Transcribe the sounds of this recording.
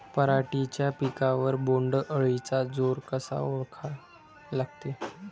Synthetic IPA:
pəɾaʈit͡ɕjapikaʋəɾboɳɖʔəɭit͡sad͡zoɾkəsa̰oɭkʰa | laɡt̪e

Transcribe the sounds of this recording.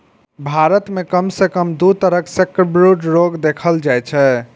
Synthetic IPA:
bʱaɾət̪mekəmsekəmd̪ut̪əɾəksekbɾuʈɾoɡd̪ekʰəld͡ʒajt͡ʃʰɛ

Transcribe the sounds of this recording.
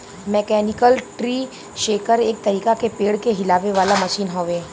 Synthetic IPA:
mɛːkɛːnɪkəlʈɾiː | ʃeːkəɾeːk̚t̪ɐɾiːkakepeːɽkeɦɪlaːʋeʋaːlamɐʃiːnɦoːʋeː

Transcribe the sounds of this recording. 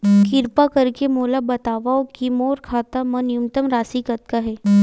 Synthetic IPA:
kɪɾpakɐɾkemoːlabɐt̪aːʋaokimoːɾkʰaːt̪amɐnjumt̪əmɾaːsikət̪̚kaɦɛː

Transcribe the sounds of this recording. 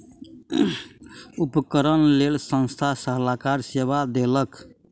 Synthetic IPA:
upkəɾənlelsə̃ñst̪ʰasəɦlakaɾsebad̪elək

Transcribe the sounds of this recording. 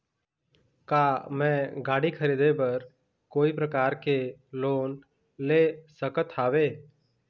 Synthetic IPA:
kaːmɛ̃ɡaːɽikʰəɾid̪ebəɾ | koːipɾəkaːɾkeloːn | lesəkət̪ʰaːʋeː

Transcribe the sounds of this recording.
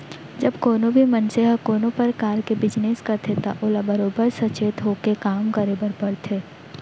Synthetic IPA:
d͡ʒɐbkoːnõbʱimɐnseɦəkoːnõpəɾkaːɾkebɪd͡ʒneskɐt̪ʰet̪a̰ʔoːlabɐɾoːbəɾsɐt͡ʃeːt̪ɦoːkekaːmkəɾebəɾpɐɾt̪ʰeː

